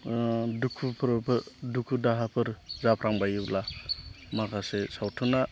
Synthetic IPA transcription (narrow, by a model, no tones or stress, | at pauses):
dukʰupʰɾpʰɯdukʰudaɦapʰɯɾzapʰɾaŋbajɯwla | makʰasesawtʰuna